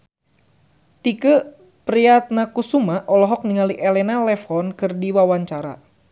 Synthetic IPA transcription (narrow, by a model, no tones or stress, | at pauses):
t̪ikə | pɾiat̪̚nakusumaʔɔlɔɦɔk̚niŋaliʔɛlɛnalɛfɔnkɨrdiwawaɲt͡ʃaɾa̰